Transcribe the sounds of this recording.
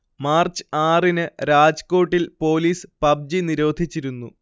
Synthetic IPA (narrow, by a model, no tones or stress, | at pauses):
maːrt͡ɕɨ̥aːrinɨɾaːd͡ʑko̞ːʈːilpo̞ːliːspɐb̚d͡ʑiniɾo̞ːd̪ʱit͡ɕːiɾunːṵ